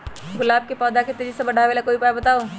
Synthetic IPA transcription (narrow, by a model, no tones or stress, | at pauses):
ɡʊlaːb̚kepɔːd̪aket̪ed͡ʒisebəɽ̤ʱaʋelakoːipaːebɐt̪aːo